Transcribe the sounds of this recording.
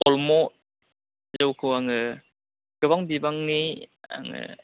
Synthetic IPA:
ɔlmɔ | zd͡ʒɯwkʰɯwaŋɯ | ɡ̥ɯbaŋbibaŋnia̰ŋɯ̰

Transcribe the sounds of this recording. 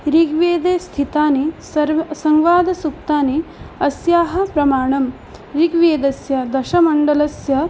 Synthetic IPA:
ɾiɡʋeːd̪eːst̪ʰit̪aːnisɐɾʋsɐŋʋaːd̪ɐsuk̚t̪aːniɐsjaːɦɐ̆pɾɐmaːɳɐm | ɾiɡʋeːd̪ɐsjɐd̪ɐʃɐmɐɳɖɐlɐsjɐ

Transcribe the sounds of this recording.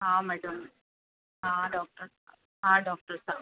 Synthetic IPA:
ɦaːmɛːɽɐm | ɦãːɖɔːk̚ʈɐɾsa | ɦãːɖɔːk̚ʈɐɾsaː

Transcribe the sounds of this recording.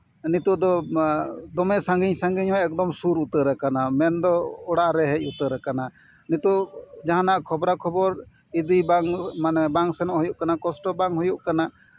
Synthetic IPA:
nit̪ɔd̪ɔ | d̪ɔmɛsaŋɡiɲsaŋɡiɲɦɔjɛk̚d̪ɔmsuɾut̪əɾɛkanamɛnd̪ɔɔɽaʔɾɛɦɛc̚ˀut̪əɾɛkana | nit̪uʔd͡ʒaɦanaʔkʰɔbɾakʰɔbɔɾ | id̪ibaŋmanɛbaŋsɛnɔʔhɔjuʔkanakɔsʈɔbaŋɦɔjuʔkana

